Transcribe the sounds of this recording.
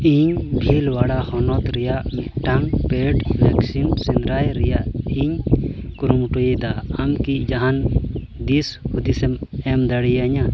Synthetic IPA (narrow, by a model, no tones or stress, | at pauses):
iɲbʱilwaɽahɔnɔt̪ɾɛjaʔmɛʈaŋpɛɖlɛksimsinɾajɾɛjaʔiɲkuɾumʈojɛd̪aamkic̚d͡ʒaɦan | d̪ishud̪isɛmɛmd̪aɽijaɲa